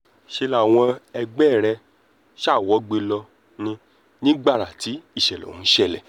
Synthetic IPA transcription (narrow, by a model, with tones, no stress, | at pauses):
ʃe˧la˨w̃ɔ̃˧ɛ˧ɡ͡bɛ˦˨ɾɛ˧ | ʃa˦˨wɔ˨˦ɡ͡be˧lɔ˧ | nĩ˧ | nĩ˦ɡ͡ba˦˨ɾa˨ti˨˦i˦˨ʃɛ˨lɔ̰˨ũ˨˦ʃɛ˦˨lɛ̰˨